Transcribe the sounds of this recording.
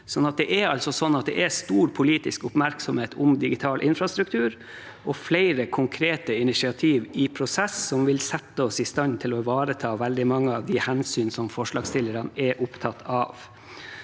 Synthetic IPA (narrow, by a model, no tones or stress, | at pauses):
sɔnːɑt̪̚d̪ɛʔɛɾɑlsɔsɔnːɑt̪̚d̪ɛ̰ʔɛst̪uːɾpʰʊliːt̪ɪskʊpmæɾksɔmheːt̪ʰʊmd̪ɪɡɪt̪ʰɑːlʔɪnfɾɑst̪ɾʉkt̪ʰʉːɾ | ʔɔflæɪɾəkʰʊŋkʰɾeːt̪əɪnɪʃɪɑt̪ʰiːʋɪpʰɾʊsɛsːɔmʋɪlsɛt̪ːəɔsɪst̪ɑnt̪ʰɪlɔʋɑːɾət̪ʰɑːʋɛld̪ɪmɑŋːəɑʋd̪ɪhɛnsyːnsɔmfɔʂɭɑːɡst̪ɪlːəɾɑnɛʔʊpt̪ʰɑt̪ʰɑːʋ